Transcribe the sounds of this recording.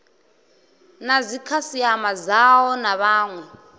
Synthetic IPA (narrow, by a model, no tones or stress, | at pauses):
nazikʰasiamazawɔnaɓaːŋwɛ